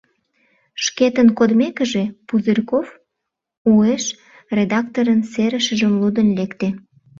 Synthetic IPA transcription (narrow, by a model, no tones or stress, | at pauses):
ʃket̪ənkod̪mekəʒepuzərʲkof | ueʃ | rʲed̪ɑkt̪oɾənseɾəʃəʒəmlud̪ənlekt̪e